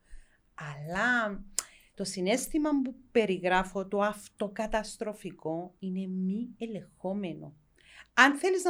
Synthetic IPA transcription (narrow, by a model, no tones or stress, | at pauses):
ɐlːɐ | t̪o̞sine̞st̪imɐmbupe̞ɾiɣɾɐfo̞t̪oɐft̪o̞kɐt̪ɐst̪ɾo̞fiko̞ine̞miele̞xo̞me̞no̞̰ | ɐnθe̞liz